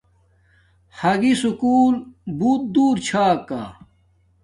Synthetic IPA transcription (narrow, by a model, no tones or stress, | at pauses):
hɐɡisukuːlbuːt̪̚d̪uːɾt͡ɕʰaːkːa̰